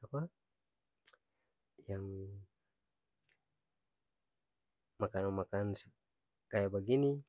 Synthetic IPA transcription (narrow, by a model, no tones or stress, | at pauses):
apa | jaŋ | makanomakans | kajabaɡini